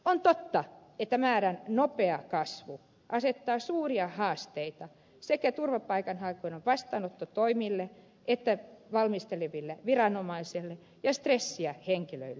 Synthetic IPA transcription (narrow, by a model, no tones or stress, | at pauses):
ont̪ot̪ːɑet̪ːæmæːrænnopeɑkɑsʋu | ʔɑset̪ːɑːsuːriɑhɑːst̪eit̪ɑ | sekæt̪urʋɑpɑikɑnhɑikoineʋʋɑst̪ɑːnot̪ːot̪oimilːe | ʔet̪ːæʋɑlmist̪eleʋilːeʋirɑnomɑiselːe | jɑst̪resːiæheŋkilø̰ilːe